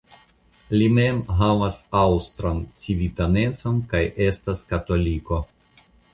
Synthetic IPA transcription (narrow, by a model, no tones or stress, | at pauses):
lime̞mɦavasawst̪ɾant͡sivitane̞t͡so̞nkaje̞staskato̞liko̞